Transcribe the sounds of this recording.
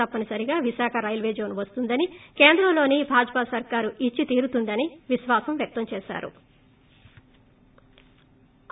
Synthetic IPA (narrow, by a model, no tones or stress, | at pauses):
ɐpːɐnisɐɾiɡaːʋiʃaːkʰɐɾɐjlʋeːd͡ʒo̞ːnuʋɐst̪und̪ɐnike̞ːnd̪ɾɐmlo̞ːnibʱaːd͡ʒɐpasɐɾkaːɾuʔit͡ʃːit̪iːɾut̪und̪ɐniʋiʃʋaːsɐmʋjɐk̚t̪ɐmt͡ʃɛːʃa̰ːɾṵ